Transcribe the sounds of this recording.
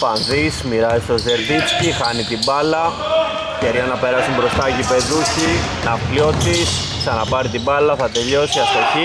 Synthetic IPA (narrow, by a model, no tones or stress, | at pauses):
pɐnðismiɾɐist̪o̞ze̞ɾðit̪cixɐnit̪ibɐlɐ | ceɾɐnɐpe̞ɾɐsumbɾo̞st̪ɐʝipe̞ðuçi | nɐflo̞t̪is | ksɐnɐpɐɾit̪ibɐlɐθɐt̪e̞ʎo̞siɐst̪oci